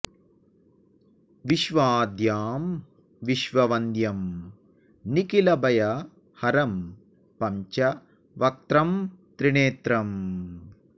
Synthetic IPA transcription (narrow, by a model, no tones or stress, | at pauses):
ʋiʃʋaːd̪jaːm | ʋiʃʋɐʋɐnd̪jɐm | nikilɐbɐjɐ | hɐɾɐm | pɐmt͡ʃɐ | ʋɐk̚t̪ɾɐmt̪ɾiɳeːt̪ɾɐm